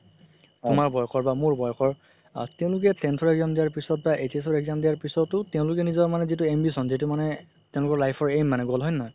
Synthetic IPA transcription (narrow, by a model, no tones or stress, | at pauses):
umaɹbɔjɔkɔɹbamʊɹbɔjɔkɔɹ | a̰tɛʊ̃lʊk̬ɛsʰɛntʰɔɹɛkzamdijaɹpisɔt̚baʔetiɛs̬ɔɹɛkzamdijaɹpisɔtːʊtɛʊ̃lʊkɛnizɔɹmanɛzit̬ʊembisɔnzit̬umanɛ | tɛ̃ʊ̃lʊkɔɹlajpʰɔɹejmːanɛɡolɦɔjna